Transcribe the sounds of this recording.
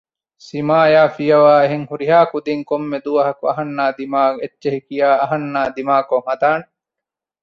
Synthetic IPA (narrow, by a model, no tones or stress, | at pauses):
simaːjaːfijɐʋaːeɦeŋhuɾiɦaːkud̪iŋkomːed̪uʋɐɦɐkuɐɦɐnːaːd̪imaːɡetːʃeɦikijaːɐɦɐnːaːd̪imaːkoŋhɐd̪aːne